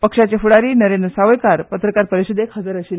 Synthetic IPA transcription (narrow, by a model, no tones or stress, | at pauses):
pəkʂat͡ɕafuɽaɾiːnəɾend̪ɾəsaʋəjkaɾpət̪ɾəkaɾpəɾiɕəd̪ekɦəd͡zəɾəɕiːl